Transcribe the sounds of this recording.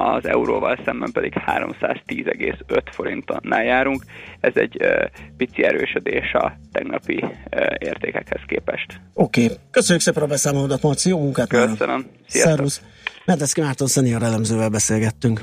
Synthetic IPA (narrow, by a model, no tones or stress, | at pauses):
ɒzɛuɾoːvɒlsɛmbɛmpɛd̪ikhaːɾo̞̰msaːzt̪iːzɛɡeːsøt̪fo̞ɾint̪onːaːljaːɾuŋkɛzɛɟøpit̪siɛɾøːʃød̪eːʃɒt̪ɛɡnɒpieːrt̪eːkɛkhɛskeːpɛʃt̪o̞keːkøsøɲːykseːpɛɾɒbɛsaːmoloːd̪ɒt̪mɒrt̪sijoːmuŋkaːt̪ønəmsiarus | mɛd̪ɛskimaːrt̪onsɛnijoɾɛlɛmzøːvɛlbɛseːlɡɛt̪ːyŋk